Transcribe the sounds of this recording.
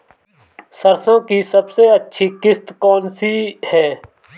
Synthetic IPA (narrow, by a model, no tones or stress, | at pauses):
səɾsõːkiːsəbseːətːʃʰiːkɪst̪kɔːnsiːhɛː